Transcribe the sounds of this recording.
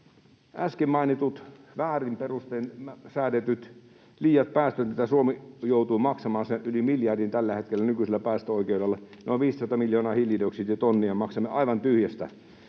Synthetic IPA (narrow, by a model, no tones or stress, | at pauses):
ʔæskemmːɑinit̪ut̪ʋæːrimperust̪eːnsæːt̪et̪yt̪ | liːjɑt̪̚pæːst̪øt̪nit̪æsuomijout̪uːmɑksɑmɑːnseʔʔylimiljɑrdint̪ælːæhet̪kelːænykyselːæpæːst̪øoikeudelːɑneoʋʋiːssɑt̪ɑmiljoːnɑːhiljidoksit̪jɑt̪onːiɑmɑksɑmːeʔɑiʋɑnt̪yhjæst̪æ̰